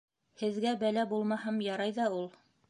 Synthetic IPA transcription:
hɘ̆ðɡæbælæbulˠmɑhɤmjɑɾɑjðɑulˠ

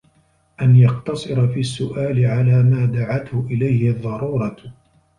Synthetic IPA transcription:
ʔanjɑqt̪ɑsˤɨɾɑfiːasːʊʔaːlɪʕalaːmaːd̪aʕat̪hʊʔɪlajhɪðˤːɑɾuːɾˤɑ

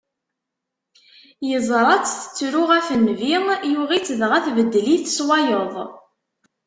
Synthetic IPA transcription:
jəzˤɾˤɑt͡sθə̥t͡sːɾʊʁæfənvijuʁit͡sːəðʁæθvəd̪ːliθə̥swɑjəðˤ

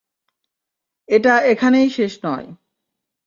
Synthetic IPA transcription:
eʈaekʰanejʃeʃnɔj

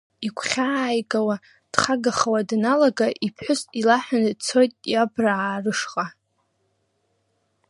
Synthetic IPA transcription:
ikʷʰχʲaːjɡʼawa | d̥χaɡaχawadnalaɡaʔipʰħʷʊsʼilaħʷᶣanɨt͡sʰo̞jtʼjabraaːrɨʂqʼa

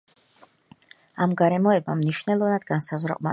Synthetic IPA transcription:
amɡaɾɛmɔɛbamniʃnɛlˠɔvnad̪̥ɡansazʁwɾa̰qʼma̰

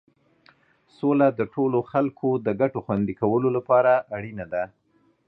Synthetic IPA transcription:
solad̪əʈʰoloxalkʰod̪əɡaʈoxwand̪ikawəlolapɑɾaaɽinad̪a

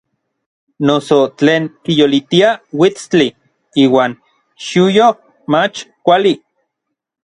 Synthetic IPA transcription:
nosot͡ɬeːŋkijolit̪iawit͡st͡ɬi | iːwaːn | ʃujo | mat͡ʃkʷali

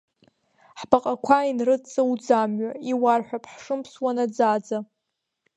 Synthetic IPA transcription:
ħbaqʼakʷʰainrɨt͡sʼawud͡zamɥaiwarħʷᶣapʰħʂɨmpʰswanad͡zad͡za

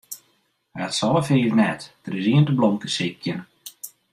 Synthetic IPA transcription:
hɛtsɔləfeːɾnɛtd̥əɾɪsiəntəbloŋkəsɪkjən

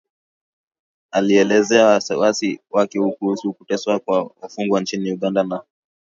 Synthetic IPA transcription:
aliɛlɛzɛawasɛwasiwakɛhukuhusuukutɛswakwaufuŋɡwant͡ʃiniuɠandana

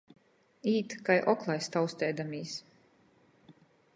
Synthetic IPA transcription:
iːt̪kajʔɔklˠajst̪awst̪ɛːd̪amiːs

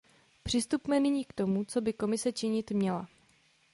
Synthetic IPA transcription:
pr̝̥ɪst̪upmɛnɪɲiːkt̪o̞mut͡so̞bɪko̞mɪsɛt͡ʃɪɲɪt̪mɲɛla

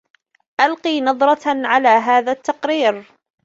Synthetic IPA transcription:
ʔalqiːnɑðˤɾˤɑʕalaːɦaːðaːt̪ːɑqɾiːɾ

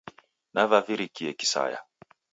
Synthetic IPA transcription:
navaviɾikiɛki̥sa̰ja̰

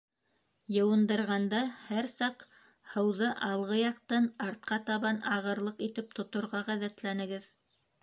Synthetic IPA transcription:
jɤ̆wɤ̆nd̪ɤ̆ɾʁɑnd̪ɑhæɾsɑq | hɤ̆wðɤʔɑlˠʁɤjɑq̚t̪ɑnɑɾt̪̚qɑt̪ɑβɑnɑʁɤ̆ɾlˠɤqit̪ɘp̚t̪ŏt̪ŏɾʁɑʁæðæt̪lænɘ̆ɡɘð

